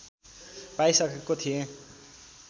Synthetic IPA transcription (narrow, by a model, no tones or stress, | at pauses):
pajsʌkekot̪ʰiẽ